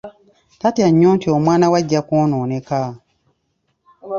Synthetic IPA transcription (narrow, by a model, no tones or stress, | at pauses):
tatjaɲːuːntiomwaːnawaɟːakonoːneka